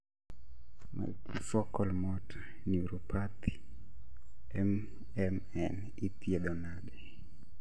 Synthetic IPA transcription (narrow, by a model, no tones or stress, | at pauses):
ma̰lkʰifɔkɔlmɔtʰ | niuɾupʰat̪i | ɛm | ɛm | ɛn | it̪ieɗɔnaɗɛ